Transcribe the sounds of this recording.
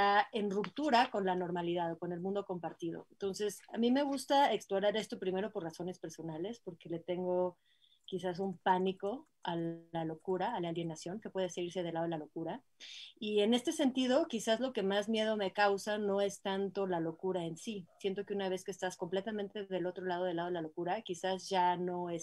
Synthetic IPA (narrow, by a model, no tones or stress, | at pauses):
aenrupt̪uɾako̞nlano̞ɾmaliðaðo̞ko̞ne̞lmũnd̪o̞ko̞mpaɾt̪iðo̞̰ent̪o̞nse̞samĩme̞ɣust̪ae̞ksploɾaɾe̞st̪o̞pɾime̞ɾo̞po̞raso̞ne̞spe̞ɾso̞nale̞spo̞ɾke̞le̞t̪e̞ŋɡo̞ | kis̬as̬umpaniko̞ | alalo̞kuɾaːlaalje̞nasjo̞ŋke̞pwe̞ðeseiɾse̞ð̞e̞lað̞elalo̞kuɾa | ie̞ne̞st̪e̞se̞nt̪ið̞o̞kisazlo̞ke̞mazmje̞ðome̞kawsano̞e̞st̪ant̪o̞lalo̞kuɾaensisje̞nt̪o̞keunaβ̞e̞skeːst̪asko̞mple̞t̪amẽnt̪e̞ðe̞lot̪ɾo̞lað̞o̞ð̞elaðelalokuɾakisazʝano̞es